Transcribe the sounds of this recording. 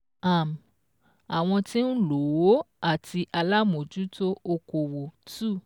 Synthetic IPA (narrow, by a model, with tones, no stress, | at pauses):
a˦˨m˨ | a˨w̃ɔ̃˧ti˦n̩˦lo˨wo˦ | a˦˨tʰi˧ʔa˧la˦mo˨d͡ʒu˨˦to˦o˧ko˨wo˨tu˦˨